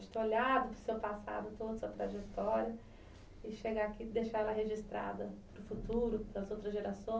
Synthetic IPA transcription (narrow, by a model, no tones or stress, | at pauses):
d͡ʒt̪eolad̪ʊpɾʊsewpasa̰d̪ʊt̪od̪ɐsuɐt̪ɾaʒet̪ɔɾɐ | ɪʃeɡaːkid̪eʃaɛlɐɦeʒist̪ɾa̰d̪ɐpɾʊfut̪uɾʊpelɐzowt̪ɾɐzʒeɾasõ